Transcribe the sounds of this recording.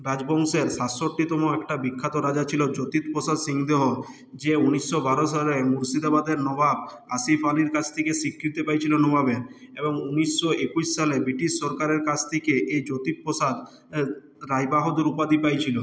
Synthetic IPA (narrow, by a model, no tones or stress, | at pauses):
ɾad͡ʑbɔŋseɾsasːoɾʈit̪omoɛkʈabikʰːat̪oɾad͡ʑat͡ɕʰilod͡ʑot̪it̪posad̪siŋd̪eɦo | d͡ʑeunisːobaɾoʃalemuɾsid̪abad̪eɾnɔbab̚ | asifaliɾkat͡ɕʰt̪ʰekesikʰːɾit̪epajt͡ɕʰilonɔbabeɾeboŋunisːoekusːalebɾiʈisːɔɾkaɾeɾkat͡ɕʰt̪ʰekeʔejd͡ʑot̪it̪̚pɾosad̪ | ɾajbaɦod̪eɾupad̪ipajt͡ɕʰilo